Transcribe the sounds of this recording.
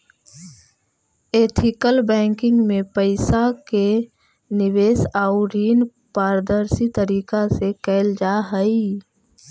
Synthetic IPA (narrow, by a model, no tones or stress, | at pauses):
eːt̪ʰɪkəlbɛ̃ːŋkɪ̃ŋɡmẽpəɪsake | nɪweːsaːʊɾiːn | paːɾd̪əɾsit̪əɾiːkasekɛːld͡ʒaːɦəi